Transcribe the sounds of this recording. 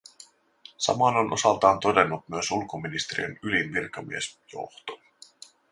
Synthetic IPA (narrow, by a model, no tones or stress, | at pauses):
sɑ̰mɑnonʔosɑlt̪ɑːnt̪o̞de̞nːut̪myesulkominist̪eɾḭenylinʋirkɑmiesjo̰ht̪o̥